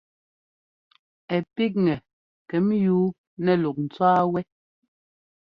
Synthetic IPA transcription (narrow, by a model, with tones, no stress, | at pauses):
ɛ˨pi˦k̚ŋɛ˨ | kɛ˨˦mjuː˨˦ | nɛ˨lu˨k̚n̩˨t͡swaː˦wɛ˦